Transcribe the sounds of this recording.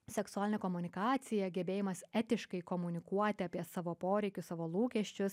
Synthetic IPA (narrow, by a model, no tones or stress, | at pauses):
sʲɛksʊæːlʲɪnʲɛkɔmʊnʲɪkɑːt̪sʲɪjɛɡʲɛbʲeːjɪmɐsɛt̪ʲɪʃkɐɪkɔmʊnʲɪkuɔt̪ʲɪɐːpʲiɛsɑːʋoːpoːɾʲɛɪkʲʊsɑːʋoːlˠuːkʲɛʃʲt͡ʃʲʊs